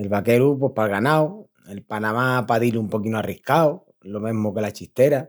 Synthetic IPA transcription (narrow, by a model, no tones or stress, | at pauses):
e̞lβake̞ɾup̬wepalɣanaw | e̞lpanãmapaðilumpo̞kinoarihkao | lo̞mẽ̞ɦmoke̞lat͡ʃiht̪e̞ɾa